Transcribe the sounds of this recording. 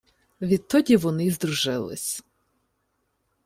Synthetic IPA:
ʋʲit̪ːɔdʲiʋɔnɪzd̪ɾuʒɪlˠɪ̰sʲ

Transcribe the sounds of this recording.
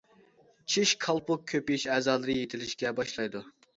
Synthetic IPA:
t͡ʃʰiʃkʰɑlˠpʊk̚ʲkʲʰːøpijiʃɛːzɑːlˠɨɾɨjet̪ʰɪlɪʃkʲɛbɑʃlˠɑjd̪u

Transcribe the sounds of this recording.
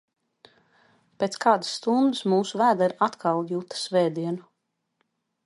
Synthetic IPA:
pʲet̪skaːd̪ḁsːt̪und̪ɨsmuːsuvæːd̪aiɾat̪kʰalˠjuːt̪ḁsvɛːd̪iɛnu

